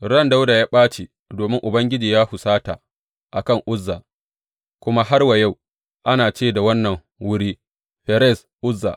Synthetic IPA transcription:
ɾɐ˦˨nda˦wda˨jaː˦ɓaː˦t͡ʃe˨ | doː˨mɪ˦ŋʔʊ˨bɐ˦ŋɡʲɪ˦d͡ʒiː˨jaː˦hʊ˨saː˦ta˨ | ʔa˨kɐ˦˨ŋʔʊ˦zːa˨ | kʷʊ˦ma˦ɦa˦rwa˨ja˦˨w | ʔa˦naː˨t͡ʃeː˦˨da˨wɐ˦nːɐ˨ŋ | wʊ˦ɽiː˦ | ɸɛ˨ɾɛ˦˨s | ʔʊ˦zːa̰˨ʔ

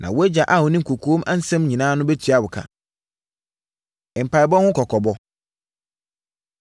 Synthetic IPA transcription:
nʔã̰˨wo˦æ˦d͡ʑa˨ʔa˦hʊ˨nɪ̃˦ŋ̩˨kʰo˨kʰo˦mʔa˦n̩˦sɛ̃˦mɲĩ˨nãː˦nʊ̃˦bɛ˦tʰɥa˦wʊ˨kʰa̰˨ | ɪ˨m̩˨pʰa˨ɪ˨bɔ˦hʊ̃˦kʰɔ˨kʰɔ˨bɔ˦

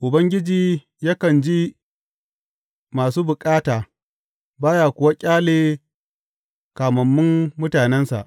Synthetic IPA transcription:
ʔʊ˨bɐ˦ŋɡʲɪ˦d͡ʒiː˨ | ja˦kɐ˨nd͡ʒi˦ | maː˨suː˦bʊ˨kʼaː˦taː˨ | baː˦jaː˨kʷʊ˨wa˦kʲʼaː˦leː˨ | kaː˨mɐ˨mːʊ˦mːʊ˦taː˨nɛ˦nsa̰˨ʔ

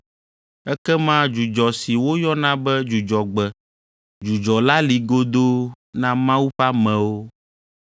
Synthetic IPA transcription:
ɛ˦kɛ˦mã˦d͡ʒu˨d͡ʒɔ˨si˨wo˦jɔ˦nã˦bɛ˦d͡ʒu˨d͡ʒɔ˨ɡ͡bɛ˨ | d͡ʒu˨d͡ʒɔ˨la˦li˨ɡo˦d̪o˦ | nã˦mã˦wu˦ɸa˦mɛ̃˨wo˦

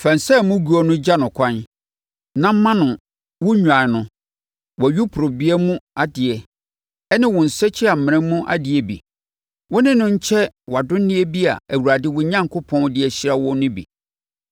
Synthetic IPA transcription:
fã˨n˨sɛ˦˨mʊ̃˦ɡu˨˦ɔ˦nʊ̃˦d͡ʑa˦nʊ̃˨kʰã˦n | nã˦m̩˦mã˦nʊ̃˨ | wʊ̃˦ɲᶣ˨ã˨nʊ̃˨ | wɔ˨ɥu˦pʰʊ˨ɾʊ˨bɪ˦ɛ˦mũ˦a˨dɪ˨ɛ˨ | ɛ˦nɪ̃˦wʊ̃˨n̩˨sɛ˦t͡ɕʰi˦a˨m̩˨mɪ̃˨ɪ̃˦m˦mũ˦ʔa̰˨dɪ˨ɛ˨bḭ˨ | wɔ˦nɪ̃˦nʊ̃˦ɲ̩˦t͡ɕʰɛ˦wa˨dʊ̃˦n̩˦nɪ̃˦ɛ˦bi˦a̰˨æ˨wu˨ɾa˨dɪ˦wʊ˦ɲã˦ŋ˨kʰʊ˦pʰɔ̃˦n˦dɪ˦ɛ˨ɕi˦ɾa˦wɔ̃˦nʊ̃˦bḭ˨

